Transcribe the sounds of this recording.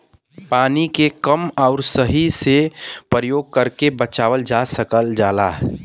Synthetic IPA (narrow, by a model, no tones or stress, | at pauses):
paːnikekəmaʊɾsəɦisepəɾjoːɡ̚kəɾkebət͡ʃaːʋəld͡ʒasəkəld͡ʒaːlaːɦ